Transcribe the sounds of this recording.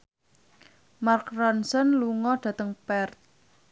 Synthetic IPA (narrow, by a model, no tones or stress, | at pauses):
markrɔnsɔnluŋɔɖ̥ä̤t̪əŋpɛrt̪̚